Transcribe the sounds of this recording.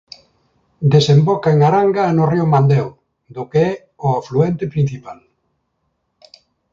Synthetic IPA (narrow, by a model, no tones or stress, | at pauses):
d̪esembɔkaeŋaɾaŋɡanʊriʊmand̪ɛw | d̪ʊkeɛ | ʊafluɛnt̪ɪpɾin̟θipal